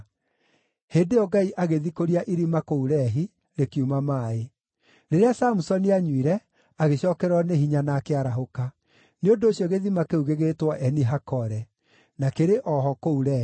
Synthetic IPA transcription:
heːndeɔɡaiʔaɣeðikoɾiaʔiɾimakouɾɛɦi | ɾekiumamaːe | ɾeɾeasamusɔniaɲwiɾɛ | aɣeɕɔːkɛɾwɔneɦiɲanakeaɾaɦoka | neondoːɕjɔɣeðimakeuɣeɣetwɔʔɛniɦakɔɾɛ | nakeɾeʔɔɦɔkouɾɛː

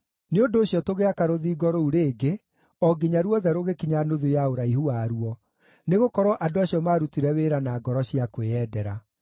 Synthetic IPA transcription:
neondoːɕjɔtoɣeakaɾoðiːɡɔɾouɾeːɡe | ɔɡiɲaɾuɔðɛɾoɣekiɲanoðujaoɾaiɦuaːɾuɔ | neɣokɔɾɔʔadoaɕiɔmaɾutiɾɛweɾanaːɡɔɾɔɕiakweɛdɛɾa

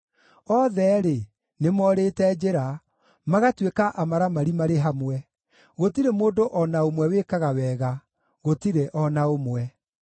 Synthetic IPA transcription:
ɔðɛɾe | nemɔɾetɛd͡ʑeɾa | maɣatwekaʔamaɾamaɾimaɾeɦamwɛ | ɣotiɾemoːdoʔɔnaomwɛwekaɣawɛːɣa | ɣotiɾeʔɔnaomwɛ

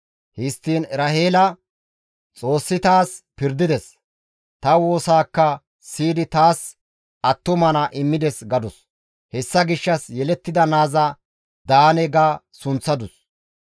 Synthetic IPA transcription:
hɪst̪ːiːnɾɐheːlɐ | t͡sʼo̞ːsːɪt̪aːspɪɾd̪ɪd̪ɛs | t̪ɐwo̞ːsaːkːɐ | siːd̪ɪt̪aːs | ɐt̪ːʊmɐnɐʔɪmːɪd̪ɛsɡɐd̪ʊs | hɛsːɐɡɪʃːɐsjɛlɛt̪ːɪd̪ɐnaːzɐ | d̪aːnɛɡaː | sʊnt͡sːɐd̪ʊs

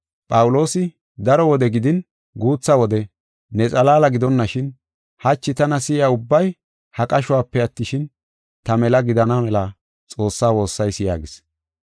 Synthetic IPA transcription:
pʼɐwʊlo̞ːsɪ | d̪ɐɾɔwɔd̪ɛɡɪd̪ɪn | ɡuːt͡sːɐwɔd̪ɛ | nɛt͡sʼɐlaːlɐɡɪd̪ɔnːɐʃɪn | hɐt͡ʃːɪt̪ɐnɐsɪjaːʊbːɐj | hɐkʼɐʃʊwaːpːɛɐt̪ːɪʃɪn | t̪ɐmɛlɐɡɪd̪ɐnɐmɛlɐ | t͡sʼo̞ːsːaːwo̞ːsːɐjsɪja̰ːɡɪs

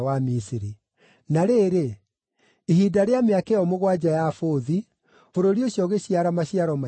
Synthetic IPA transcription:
wamisiɾi | naɾeːɾe | iɦidaɾeameakeɔmoɣwad͡ʑajafoði | foɾoɾioɕjɔɣeɕiaɾamaɕiaɾɔma

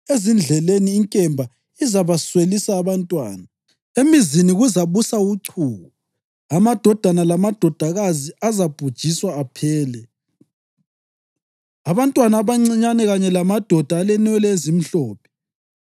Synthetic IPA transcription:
ezind͡ɮʱɛleniːŋkʼɛmbʱa | izaβaswelisaːβantʼwa̰ːna | emiziniɣuzaβusauǀʰuːɣu | amad̥ʱɔd̥ʱanalamad̥ʱɔd̥ʱaɣaziazab̥ʱud̥ʒ̥ʱiswaːpʰɛːlɛ | aβantʼwanaːβaŋ͡ǀiɲanɛɣaɲɛlamad̥ʱɔd̥ʱaːlɛnɛlɛezim̩ɬɔːp̚ʰɛ̥

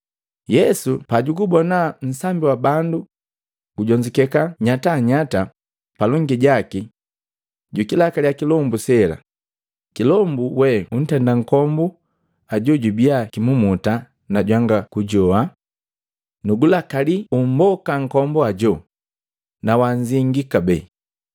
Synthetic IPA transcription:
jɛsupaɟuɡubɔnan̩sambiwabandu | ɡ̥uɟɔɲd͡ʒikɛkaɲataɲata | palɔŋɡiɟaki | ɟukilakalijakilɔmbusɛla̰ | kilɔmbuwɛun̩tɛndaŋ̩kɔmbu | aɟɔɟubiakimumuta | naɟwaŋɡakuɟɔa | nuɡulakalium̩bɔkaŋ̩kɔmbɔaɟɔ | nawaɲziŋɡikabɛ

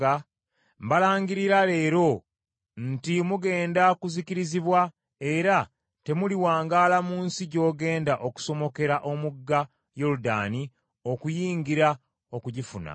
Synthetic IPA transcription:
a | mbalaːŋɡiɾiɾale̞ːɾo̞ | n̩timuɡe̞ːndakuziciɾiziβwa | e̞ɾa | te̞muliwaːŋɡaːlamuːnsiɟo̞ːɡe̞ːndaʔo̞ku̥so̞mo̞ke̞ɾaʔo̞muɡːa | joɾuda̰ni | o̞kujiːŋɡiɾa | o̞kuɟifuna̰

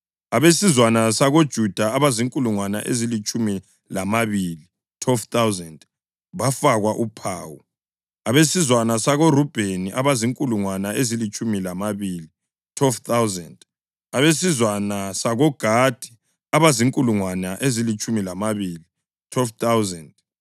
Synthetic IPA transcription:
aβesizwanasaɣod̥ʒ̥ʱud̥ʱaaβaziŋkʼuluŋwana̰ʔezilit͡ʃʼumi | lamaβili | tʰwɛlft̪awzɛnd | βafaɣwaʔupʰa̰ːwṵ | aβesizwanasaɣorub̥ʱeniʔaβaziŋkʼuluŋwanaʔezilit͡ʃʼumilamaβili | tʰwɛlft̪awzɛ̰nd | aβesizwanasaɣɔɡ̥ʱad̥ʱi̥ | aβaziŋkʼuluŋwanaʔezilit͡ʃʼumilamaβiːli | wɛlft̪awzɛnd

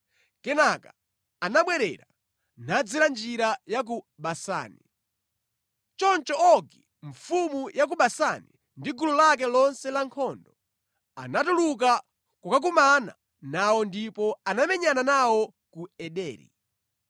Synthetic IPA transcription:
kɛnaka | anaɓwɛɾɛ̰ɾa | nad͡zɛɾand͡ʒiɾajak̬u | ɓasa̰ːni | t͡ʃɔnt͡ʃɔɔɡi | ɱfumujak̬uɓasani | ndiɡululak̬ɛlɔnsɛlaŋkʰɔndɔ | a̰natuluk̬a | kukak̬umana̰ | nawɔndipɔanamɛɲananawɔ | kuɛɗɛ̰ːɾḭ

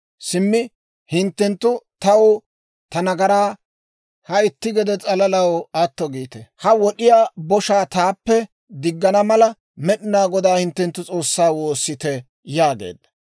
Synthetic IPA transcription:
sɪmːɪ | hɪnt̪ːɛnt̪ːʊt̪ɐw | t̪ɐnɐɡɐɾaː | hɐɪt̪ːɪɡɛd̪ɛt͡sʼɐlɐlɐwɐt̪ːɔɡiːt̪ɛhɐwɔɗɪjaːbɔʃaːt̪aːpːɛ | d̪ɪɡːɐnɐmɐlɐ | mɛɗɪnaːɡɔd̪aːhɪnt̪ːɛnt̪ːʊt͡sʼo̞ːsːaːwo̞ːsːɪt̪ɛ | jaːɡḛːd̪ːɐ

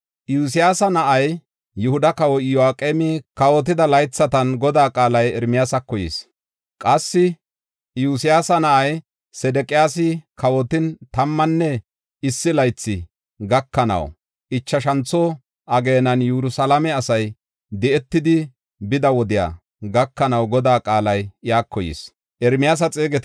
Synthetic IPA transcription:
juːs̬ɪjaːsɐnɐʔɐj | jʊhʊd̪ɐkɐwɔjɔaːkʼemɪkɐwɔt̪̬ɪd̪ɐlɐjt͡sːɐt̪ɐnɡɔd̪aːkʼaːlɐjɛɾmɪjaːsɐkːɔjḭːs | kʼɐsːɪ | juːsɪjaːsɐnɐʔɐj | sɛd̪ɛkʼɪjaːsɪkɐwɔt̪ɪnt̪ɐmːɐnːɛ | ɪsːɪlɐjt͡sːɪ | ɡɐkːɐnɐ̰w | ʔɪt͡ʃːɐʃɐnt͡sːɔ | ʔɐɡe̞ːnɐnjuɾʊsɐlɐmɛɐsɐj | d̪ɛɛt̪ːɪd̪ɪ | bɪd̪ɐwɔd̪ɪja̰ː | ɡɐkːɐnɐwɡɔd̪aːkʼaːlɐjɪjaːkːɔjḭːs | ʔɛɾmɪjaːs̬ɐt͡sʼeːɡɛt̪

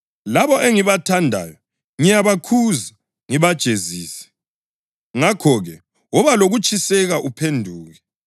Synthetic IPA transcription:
laβɔʔeŋiβatʰandʱa̰jɔ | ŋijaβakʰuza | ŋiβad̥ʒ̥ʱeziːsɛ̥ | ŋakʰɔɣɛ | wɔβaloɣut͡ʃʼʰisɛɣaʔupʰendʱuːɣɛ

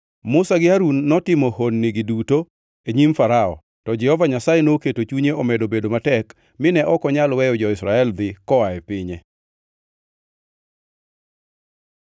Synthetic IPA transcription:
mʊsaɡɪaɾunːɔtɪmɔhonːɪɡɪduto | eɲimfaɾaɔ̰ | tɔd͡ʒɛhɔvaɲasajenoketot͡ʃuɲeɔmedobedomatɛk | mɪnɛʔɔkɔɲalwɛjɔd͡ʒɔɪsɾaɛld̪ɪkɔaɛpɪɲe

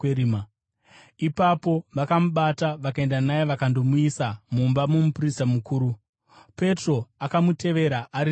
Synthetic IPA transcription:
eɾima | ipapo̞ʋakamuɓataʋakae̞ndanajeʋakando̞muisamumbamomupristamukuːɾu | pe̞tro̞akamute̞ʋe̞ɾaʔaɾi

